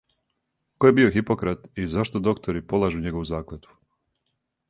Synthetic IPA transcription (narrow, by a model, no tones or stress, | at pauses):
kojebio̞xipo̞kɾat̪izaʃt̪od̪o̞kt̪ʰoɾipo̞lˠaʒuɲeɡoʋuzaːklat̪u̥